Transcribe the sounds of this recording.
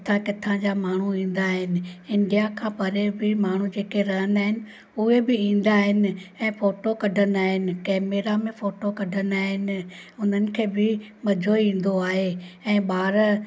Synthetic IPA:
t̪ʰãkɪt̪ʰãd͡ʑamaːɳ̤uĩːn̆d̪aːɦɪnɪ̆ɪnɖijakʰãːpɐɾebɪmaːɳ̤ũd͡ʑeːkeɾɐɦənaːɦɪnɪ̆ | ʊɦebɪĩːn̆d̪aːɦɪnɪ̆ɛ̃ːfoːʈokɐɖʱənaːɦɪnɪ̆kɛːmeːɾamẽfoːʈokɐɖʱənaːɦɪnɪ̆ʊn̤ənɪ̆kʰeːbɪmɐd͡ʑʱoĩːn̆d̪oaːɦeɛ̃ːɓaːɾ

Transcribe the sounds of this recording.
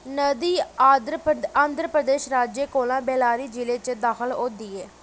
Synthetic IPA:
nəd̪iːad̪aːnd̪ɾəpɾəd̪eːʃɾaːd͡ʒeːkoːlãːbeːlaːɾiːd͡ʒɪleːt͡ʃəd̪aːxəloːd̪iːɛː

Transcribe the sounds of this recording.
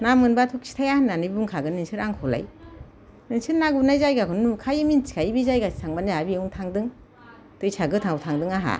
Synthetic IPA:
namɯnbatʰuk̚sʰi̥tʰajahanːanibuŋkʰaɡɯninsʰɯɾaŋkʰɔla̰j | ninsɯɾnaɡunajzajɡakʰɯnnukʰajɯmint͡ʃi̥kʰajibizajɡasi̥tʰaŋbanajabiuŋtʰaŋdɯŋ | tɯjsaɡɯtʰaŋutʰaŋdɯŋaɦa̰

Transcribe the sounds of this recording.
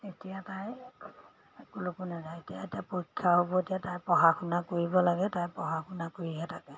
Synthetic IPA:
etijataj | kulokunazaetijaetijapokʰːaɦobɔetijatajpɹɔɦaxunakoɹibɔlaɡɛtajpɔɦaxunakoɹiɦɛtʰakɛ

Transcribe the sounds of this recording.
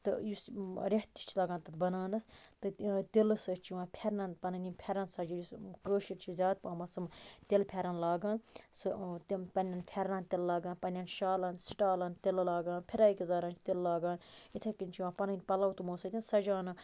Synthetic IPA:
t̪ɨjusɾʲeɦt̪ʲi̥t͡ʃʰilaːɡaːnt̪ɐt̪bɐnaːnɐst̪ɨt̪ilɨsɨt͡ʃʰiʋãːpʲʰeɾnɐnpɐnɐnʲinpʲʰɐɾɐnsɐd͡ʒijuskəːʃiɾt͡ʃʰizʲjaːd̪̚pãːmɐsɨmt̪ʲelpʰʲeɾɐnlaːɡaːnsɨt̪pɐnʲɐnpʰeɾnaːnt̪ʲellaːɡãːnpɐnʲɐnʃaːlɐnsi̥ʈaːlɐnt̪ʲellaːɡaːnpʲʰiɾaːikʲizaːɾant͡ʃʰi̥t̪ʲillaːɡaːnit̪ʰekinʲt͡ʃiʋãːpɐnɐnʲpɐlɐwt̪umoːsɐt̪ʰʲinsɐd͡ʒaːnɨ

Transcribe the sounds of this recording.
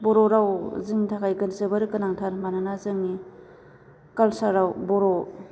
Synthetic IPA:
boɾoɾawzɯŋtʰakajkɯnsɯbaɾɯkɯnaŋtʰaɾmananazɯŋni | kalsaɾawbɔɾo

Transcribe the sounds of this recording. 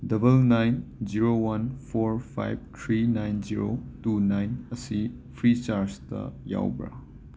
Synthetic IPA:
dɐbɐlnajnd͡ʒiɾowɐnpʰoɾpʰa̰jb̚t̪ʰɾinajnd͡ʒiɾotunajnɐsi | pʰɾit͡ʃaɾstɐ̰ja̰wbɾa̰

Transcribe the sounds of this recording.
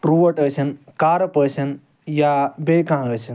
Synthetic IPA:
ɾuʋəʈət͡ʃʰənkaːɾpəsən | jabekãɦãət͡ʃʰən

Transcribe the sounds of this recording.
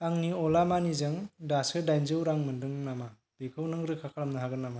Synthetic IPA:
aŋniɔlamanizɯŋdasɯdajnzɯwɾaŋmɯndɯŋnama | b̥ekʰɯwnɯŋɾɯkʰakʰalamnɯɦaɡɯnːama

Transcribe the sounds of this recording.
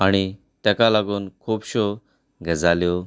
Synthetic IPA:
aɽ̃i | t̪ɛkalaɡuːnkʰuːpɕo | ɡʱəd͡zaljɔ

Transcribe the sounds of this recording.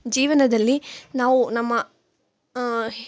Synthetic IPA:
d͡ʒiːʋɐnɐd̪ɐlːinaːʋunɐmːɐ

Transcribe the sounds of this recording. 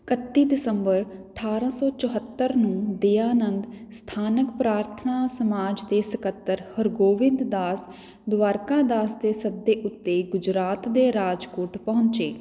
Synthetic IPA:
kət̪ːiːd̪ɪsəmbəɾʈʰaːɾãːsɔːt͡ʃəɦət̪ːəɾnũːd̪eːaːnə̃nd̪st̪ʰaːnəkpɾaːɾt̪ʰənaːsəmaːd͡ʒd̪eːsəkət̪ːəɾhəɾɡoːʋɪnd̪d̪aːs | d̪ʋaːɾkãːd̪aːsd̪eːsəd̪ːeːʔʊt̪ːeːɡʊd͡ʒɾaːt̪d̪eːɾaːd͡ʒkoːʈpɔɦʊ̃ɲt͡ʃeː

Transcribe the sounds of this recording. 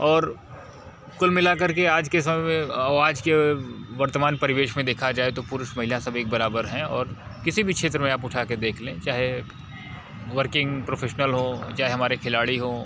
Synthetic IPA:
ɔːɾ | kʊlmɪlakɐɾkeaːd͡ʒkes̬ɐmɛmẽaːd͡ʒkeʋɐɾt̪əmaːnpɐɾɪʋeːʃmẽd̪eːkʰad͡ʒaːet̪opʊɾʊʃmɐɦɪljãsɐbʱeːk̚bɐɾaːbəɾɦɛ̃ɔːɾ | kɪsibʱikʃʰeːt̪ɾəmẽaːpʊʈʰaːked̪eːkʰlẽt͡ʃaːɦe | ʋəɾkɪ̃ŋɡpɾoːfʰeːʃnəlɦot͡ʃaːɦeɦɐmaːɾekʰɪlaːɽiɦo

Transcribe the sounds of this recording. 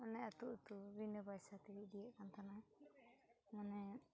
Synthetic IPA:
ɔnɛat̪uʔt̪ubinəbajsat̪iɾid̪ijɛʔkant̪ʰana | manɛ

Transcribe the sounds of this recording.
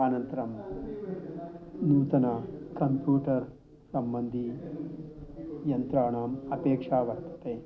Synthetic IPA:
aːnɐnt̪ɐɾɐm | nuːt̪ɐnɐkɐmpjuːʈɐɾ | sɐmbɐnd̪ʱi | jɐnt̪ɾaːɳaːmɐpeːkʂaːʋɐɾt̪ɐ̥t̪eː

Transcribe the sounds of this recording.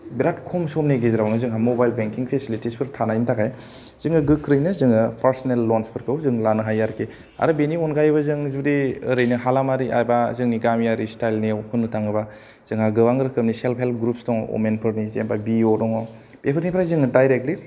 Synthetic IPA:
biɾat̚kʰɔmsɔmneɡiziɾawnɯzɯŋɦamobajlbeŋkiŋpʰesilitispʰɯɾtʰanajntʰakʰaj | z̥ɯŋɯɡɯkʰːɾɯjnɯzɯŋɯpʰaɾsnelːɔnspʰɯɾkʰɯwzɯŋlanɯɦajːaɾkʰi | a̰ɾɯbeniɔnɡajβazɯŋzudiəɾɯjnɯɦalamaɾiʔa̰jbazɯŋniɡamjaɾistajlnihʰunːɯtʰaŋɯba | z̥ɯŋhaɡɯwaŋɡɯɾɯkʰɯmniselpʰelp̚ʰɡɾup̚sdɔŋ̰wʔo̰menpʰɯɾnizḛmbabiodɔŋa | b̥epʰɯɾnipʰɾajzɯŋɯdajɾek̚tli

